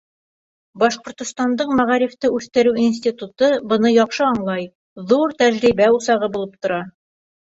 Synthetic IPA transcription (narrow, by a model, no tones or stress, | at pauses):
bɒʃqŏɾt̪ŏst̪ɑnd̪ɤqmæʁɑɾift̪ɘʉθt̪ɘ̆ɾʉwins̬ʲt̪ʲit̪ut̪ɤbɤ̆nɤjɒqʃɤɑɴlˠɑj | ðuɾt̪æʑɾibæusɑʁɤbulˠɤp̚t̪ŏɾɑ